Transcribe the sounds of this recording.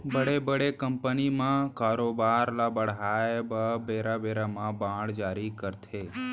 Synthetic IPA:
bəɽebəɽekəmpənimãkaɾobaɾlabəɽɦajbəbeɾabeɾamãbãɽd͡ʒaɾikəɾt̪ʰe

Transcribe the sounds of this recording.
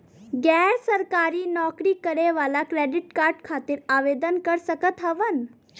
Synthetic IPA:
ɡɛːɾsəɾkaːɾinɔːkɾikəɾeʋaːlakɾeːɖɪʈkaːɾɖkʰaːt̪ɪɾaːʋeːd̪ənkəɾsəkət̪ɦɐʋən

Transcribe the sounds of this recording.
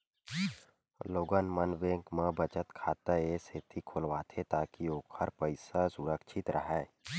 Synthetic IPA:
loːɡənmənʋẽːkmə̃bət͡ʃət̪kʰaːt̪aeset̪ʰikʰoːlʋaːt̪ʰet̪aːkioːkʰəɾpəɪsasuɾəkʃʰɪt̪ɾʔəɦɛː

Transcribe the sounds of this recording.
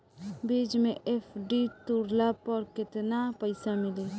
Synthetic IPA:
biːd͡ʒmẽʔeːpʰɖit̪uɾlapɔɾkɪt̪napəɪsamɪleː

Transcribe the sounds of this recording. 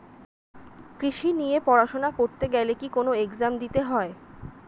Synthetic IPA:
kɾiʃinijepɔɾaʃonakoɾt̪eɡɛlekikonoekzamd̪it̪eɦɔe

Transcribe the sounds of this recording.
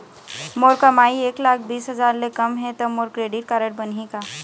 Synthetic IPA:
moːɾkəmaːieːklaːkʰbiːsɦəzaːɾlekɐmɦɛ̃t̪omoːɾkɾeːɖɪʈ̚kaːɾəɽ̚bənɦikaː

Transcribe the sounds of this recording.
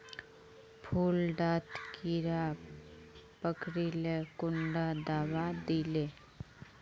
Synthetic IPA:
pʰuːlɖaːt̪kiɾa | pəkɽilekʊɳɖad̪aːʋad̪iːleː

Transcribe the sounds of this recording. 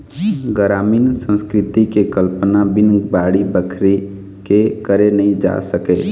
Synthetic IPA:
ɡəɾaːmiːnsə̃nskɾɪt̪ikekəlpənabɪnbaːɽibəkʰɾi | kekəɾenəĩd͡ʒa̰ːsəke

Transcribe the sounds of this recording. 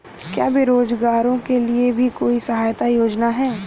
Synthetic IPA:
kja̰ːbɪɾoːd͡ʒɡaːɾõkeliebʱikoːisɐɦaːjt̪ajoːd͡ʒnaɦɛː

